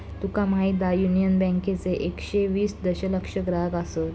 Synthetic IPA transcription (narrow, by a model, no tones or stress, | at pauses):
t̪ukamaid̪ajunijənbɛ̃ŋket͡seʔekɕeʋiːsd̪əɕələkʂəɡɾaɡasət̪